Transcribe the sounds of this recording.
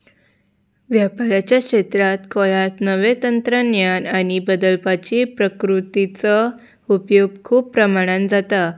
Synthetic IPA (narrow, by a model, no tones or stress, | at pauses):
ʋjapaɾat͡ɕjakɕet̪ɾat̪kɔɭat̪nəʋet̪ənt̪ɾənjanaɽ̃ibəd̪əlpat͡ɕipɾəkɾut̪it͡sə | upjoɡ̚kʰuːpːɾəmaɽ̃and͡zat̪a